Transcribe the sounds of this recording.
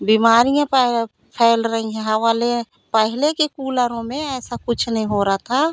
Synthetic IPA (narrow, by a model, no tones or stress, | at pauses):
biːmaːɾijãp | pʰɛːlɾəɦĩɦɛ̃ɦɐ̃ʋaːle | pəɦɪlekekuːləɾõmẽɛːsakʊt͡ʃʰnəɦĩɦoɾaat̪ʰa